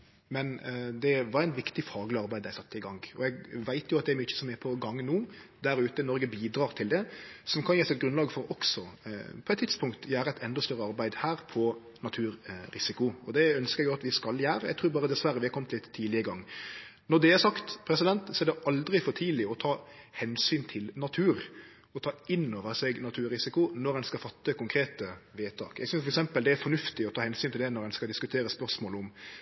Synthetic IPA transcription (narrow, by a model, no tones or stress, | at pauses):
mɛnd̪ɛʋɑɾæɪnʋɪkt̪ɪfɑːɡlɪɑɾbæɪd̪æɪsɑt̪ːəɪɡɑŋɔ̰ɛɡʋæɪt̪jʊɑt̪̚d̪ɛɾmyːçə̥sɔmɛpʰɔɡɑŋːnuːd̪æɾʉːt̪ənɔɾɡəbiːd̪ɾɑːɾt̪ʰɪld̪ɛsɔmkʰɑnjɛːsɛt̪ɡɾʉnlɑːɡfɔɾɔksɔpʰɔɛt̪t̪ʰːɪt̪spʰʊŋkt̪jæːɾəæɛt̪ɛnd̪ɔst̪œɾːəɑɾbæɪd̪hæːɾpʰɔ | nɑt̪ʰʉːɾɾɪsɪkʊɔd̪ɛœnskəɾɛɡjʊɑt̪ʋɪskɑljæːɾəjɛɪɡ̚t̪ɾuːbɑːɾəd̪ɛsʋæɾəʋɪhɑkʰɔmt̪lɪt̪ʰːiːlɪəəɡɑŋːnɔd̪ɛɛɾsɑkt̪pʰɾɛsɪd̪ɛnt̪sɔɛɾd̪ɛʔɑld̪ɾɪfɔt̪ʰiːlɪɔt̪ʰɑːhɛnsyːnt̪ʰɪlnɑt̪ʰʉːɾ | ɔt̪ʰɑːɪnːoːʋəɾsɛɡnɑt̪ʰʉːɾɪsɪkʊnɔɾɛnskɑfɑt̪ːəkʊŋkʰɾeːt̪əʋeːt̪ʰɑ̰ːkɛ̰ɡsʏnsfɔɾɛksɛmpəld̪ɛæfɔnʉft̪ɪɔt̪ʰɑːhɛnsyːnt̪ɪld̪ɛnɔɾɛnskɑld̪ɪskʉt̪ʰeːɾəspœɾsmoːləʊm